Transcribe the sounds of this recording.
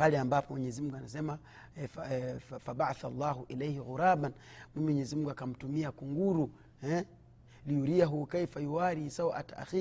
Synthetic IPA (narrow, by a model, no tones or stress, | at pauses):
paliambapɔmwɛɲɛzimuŋɡuanasɛma | ffabaʕaθalːaːɦuʔilejhiɣuɾaːbanmimiwɛɲɛzimuŋɡuakam̩tumiakuŋɡuɾu | ɛ | liuɾiaɦukaifajuwaɾisawʔataʔa̰xi